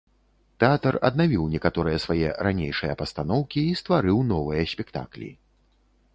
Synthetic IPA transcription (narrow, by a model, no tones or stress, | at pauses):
t̪ɛat̪ɐrɐ̰d̪navʲiwnʲɛkat̪ɔɾɨjɐsvajɛ̰ɾanʲejʂɨjɐpɐst̪anɔwkʲiːst̪vaɾɨwnɔvɨjɐsʲpʲɛkt̪a̰klʲḭ